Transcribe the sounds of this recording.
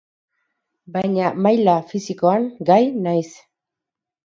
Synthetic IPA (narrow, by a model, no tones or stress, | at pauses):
baɲamajlafɪsɪkoaŋɢajnajs